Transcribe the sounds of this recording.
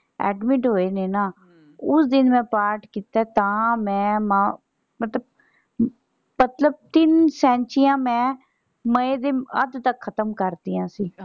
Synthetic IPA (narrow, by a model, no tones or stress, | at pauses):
ɛ̰ːɖmɪʈɦoːeːneːnaː | ʊsd̪ɪnmɛ̃ːpaːɾʈkiːt̪ɛːt̪ãːmɛ̃ːmãː | mət̪ləb̚ | mət̪ləb̚t̪ɪnsɛ̃ːnt͡ʃiːãːmɛ̃ː | məeːd̪eːəd̪t̪əkʰːət̪əmkəɾd̪iːjãːsiː